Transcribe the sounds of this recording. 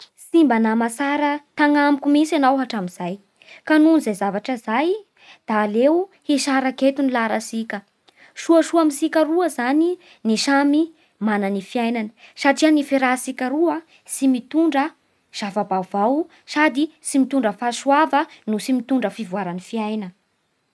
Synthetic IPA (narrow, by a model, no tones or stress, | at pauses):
simbanamasaɾət̪aŋamikʲumisanawɦaʈ͡ʂamiz̥aj | kanunzajzavaʈ͡ʂəzaj | d̪̥aːlewhiʃaɾaket̪unilaɾasikʲə | ʃuəʃuamisikʲəɾuəzani | niʃami | mananifijajnanə̥saʈ͡ʂianifiɾasikʲəɾua | simit̪uɳɖ͡ʐə | ʃavabavaw | sad̪isimit̪uɳɖ͡ʐəfasuavənusimit̪uɳɖ͡ʐəfivuaɾanifiajnə